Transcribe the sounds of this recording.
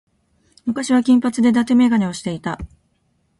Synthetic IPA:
mɯ̟kaɕiβakʲĩmpat͡sɨd̪e̞d̪at̪e̞me̞ɡanʲeo̞ɕi̥t̪e̞it̪a

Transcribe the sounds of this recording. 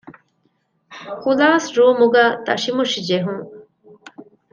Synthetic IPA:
kulaːsɾuːmuɡaːt̪ɐ̰ʂimuʃid͡ʒeɦuŋ

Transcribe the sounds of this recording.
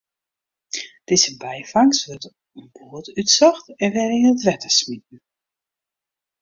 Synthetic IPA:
d̥ɪzəbɛjfaŋsʋøt | ənboətytsɔxtɛnʋɛɾiːnətʋɛtəsmit̚n̩

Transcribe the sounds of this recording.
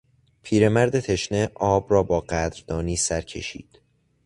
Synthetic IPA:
pʰiːɾe̞mæɾd̪e̞t̪ʰe̞ʃneʔɒːbrɒːbɒːɢæd̪ɾd̪̥ɒːniːsæɾcʰe̞̰ʃḭːd̪̥

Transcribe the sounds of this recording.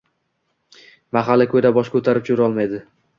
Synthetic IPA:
maχalːɪkʰɵjd̪abɒʃkʰɵt̪ʰaɾɪp̚t͡ʃʰʊɾɒlˠmajd̪ɪ

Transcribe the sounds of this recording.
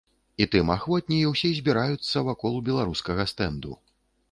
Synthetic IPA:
it̪ɨmaxvɔt̪̚ʲnʲijiwsʲɛzʲbʲiɾajut̪sːɐvakɔlˠubʲɛlˠaɾuskɐɣɐst̪ɛnd̪ṵ

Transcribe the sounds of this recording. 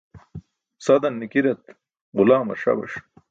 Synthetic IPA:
sɐd̪ɐnːikiɾɐt̪ | ʁʊlaːmɐ̰ɾʂɐ̰bɐ̰ʂ

